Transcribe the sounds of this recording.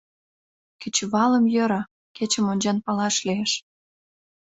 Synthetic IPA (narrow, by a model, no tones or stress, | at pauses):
kə̆t͡ɕβɑlə̆mjə̆ɾɑ | ket͡ɕə̆monʲd͡ʑɑnpɑlɑʃlieʃ